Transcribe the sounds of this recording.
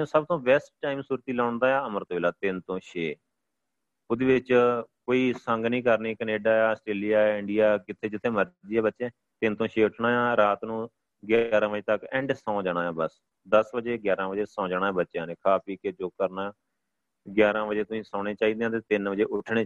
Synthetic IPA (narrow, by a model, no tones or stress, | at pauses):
səbt̪õːʋɛːsʈʈːaːimsuːɾt̪iːlaːʊɳd̪aːaːəməɾt̪oʋeːlaːt̪ɪnt̪õːʃeː | ʊd̪eːʋɪt͡ʃkoːiːsəŋɡnĩːkəɾniːkəneːɖaːaːəsʈɾeːlijaːɪɳɖijaːkɪt̪ʰːeːd͡ʒɪt̪ʰːeːməɾd̪iːɛːbətːʃẽː | t̪ɪnt̪õːʃeːʊʈʰnaːjãːɾaːt̪nũː | ɡjaːɾãːʋəd͡ʒeːt̪əkɛ̃ːɳɖsãːd͡ʒaːɽ̃aːjãːbəs | d̪əsbəd͡ʒeːɡjaːɾãːʋəd͡ʒeːsãːd͡ʒaːɽ̃aːɛ̃ːbətːʃjãːneːkʰaːpiːked͡ʒoːkəɾnaː | ɡjaːɾãːʋəd͡ʒeːt̪ʊsĩːsãːɽ̃eːt͡ʃaːiːd̪eːãːt̪eːt̪ɪnʋəd͡ʒeːʔʊʈʰɳeː